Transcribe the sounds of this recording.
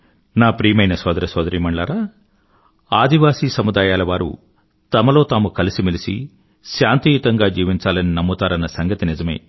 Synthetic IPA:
naːpɾiːmɐjnɐsɔːd̪ɐɾɐsʋɔːd̪ɐɾiːmɐɳɖɭaːɾaː | aːd̪iʋaːsiːsɐmud̪aːjaːlɐʋaːɾṵ | t̪ɐmɐlo̞ːt̪aːmukɐlisimilisḭ | ʃaːnt̪ijut̪ɐŋɡaːd͡ʒiːʋiɲt͡ʃaːlɐninɐmːut̪aːɾɐnːɐsɐŋɡɐt̪inid͡ʒɐmḛː

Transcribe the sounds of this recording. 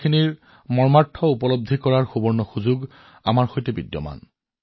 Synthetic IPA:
iniɹ | mɔɹmatʰːɔupɔlob̚d̪ʱikɔɹaɹxubɔɹnɔxuzuɡ | amaɹxojtɛbidjɔ̰ma̰n

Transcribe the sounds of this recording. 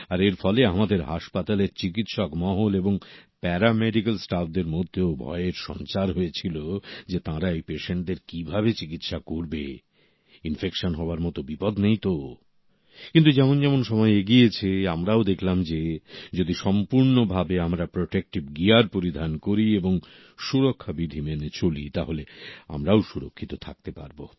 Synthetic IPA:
aɾeɾfɔleamad̪eɾɦaʃpat̪aleɾt͡ɕik̬it̪ʃɔkmɔɦoleboŋpɛɾameɖikalsʈafd̪eɾmod̪ʱːeobʱɔ̰eeɾʃɔ̰nt͡ɕaɾɦoet͡ɕʰilod͡ʑet̪ãɾaejpeʃeɳʈ̚d̪eɾkibʱabet͡ɕikit̪ʃakoɾbḛ | infekʃonɦɔoaɾmɔt̪obipɔd̪nejt̪o | kint̪ud͡ʑɛmond͡ʑɛmonʃɔmɔeeɡiet͡ɕʰeamɾaod̪ekʰlamd͡ʑed͡ʑod̪iʃɔmpuɾnobʱabeamɾapɾoʈek̚ʈibɡiaɾpoɾid̪ʱankoɾieboŋ | ʃuɾokʰːabid̪ʱimenet͡ɕolḭt̪aɦolea̰mɾaoʃuɾokʰːit̪ot̪ʰak̚t̪epa̰ɾbo̰

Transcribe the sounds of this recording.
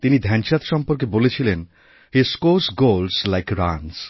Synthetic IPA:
t̪inid̪ʱɛnʃat̪ʃɔmpoɾk̬ebolet͡ɕʰilen | heskosɡolslajkɾans

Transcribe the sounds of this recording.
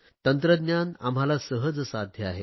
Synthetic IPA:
t̪ənt̪ɾəd̪njana̰m̤alasəɦəd͡zsad̪ʱjəaɦe

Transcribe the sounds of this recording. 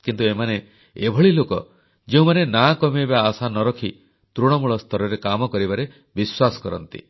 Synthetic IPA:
kint̪uemane | ebʱɔɭilokɔ | d͡ʒeũmanenakɔmiebaːsanɔɾɔkʰi | t̪ɾuɽ̃ɔmuɭɔst̪ʰɔɾɔɾekamɔkɔɾibaɾe | biswasɔ̥kɔɾɔ̰nt̪ḭ

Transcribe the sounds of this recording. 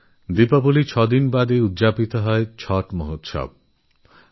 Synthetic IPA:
d̪ipɔbulit͡ʃʰɔd̪inbad̪eud̪d͡ʒapit̪ɔɦɔet͡ʃʰɔʈmoɦot̪ʃɔ̰b̚

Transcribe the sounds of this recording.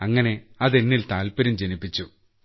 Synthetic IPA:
ɐŋːɐne̞ɐðenːilt̪aːlpɐɾɐmd͡ʑenipːit͡ɕːu

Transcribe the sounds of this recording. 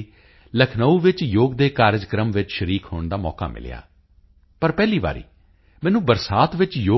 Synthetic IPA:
ləkʰnəuːʋɪt͡ʃjoːɡd̪eːkaːɾd͡ʒkɾəmʋɪt͡ʃʃəɾiːkɦoːɳd̪aːmɔ̰ːka̰ːmɪ̰l̰ja̰ː | pəɾpɛːliːba̰ːɾḭː | mɛ̃ːnũːbəɾsaːt̪ʋɪt͡ʃjoː

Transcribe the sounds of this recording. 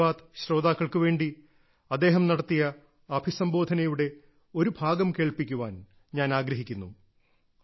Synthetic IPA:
aːt̪ɕɾo̞ːd̪aːkːɐɭkɨʋe̞ːɳɖi | ɐd̪ːe̞ːɦɐmnɐɽɐt̪ːijɐ | ɐbʱisɐmbo̞ːd̪ʱɐnɐjuɽe̞ | o̞ɾubʱaːɡɐmke̞ːɭpikʲːuʋaːn | ɲaːnaːɡɾɐɦikʲːunːu

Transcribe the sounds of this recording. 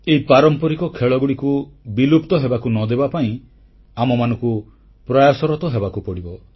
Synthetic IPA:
eipaɾɔmpɔɾikɔkʰeɭɔɡuɽikubilupt̪ɔɦebakunɔd̪ebapaĩ | amɔmanɔ̃ŋku | pɾajasɔɾɔt̪ɔɦebakupɔɽibɔ

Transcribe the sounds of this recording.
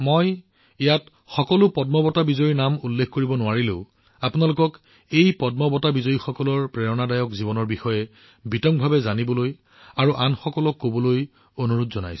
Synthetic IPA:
moj | ijat | xɔkɔlʊpɔdmɔbɔtabizɔjinamulːekʰkoɹibɔnʊwaɹilʊ̰ʊ | apʊnalʊkɔk | ejpɔdmɔbɔtabizɔjixɔkɔlɔɹpɹɛɹɔnadajɔkzibɔnɔɹbixɔjɛ | bitɔŋ̚bʱabɛzanibɔloj | aɹuʔanxɔkɔlɔkːobɔloj | onuɹutzɔna̰js

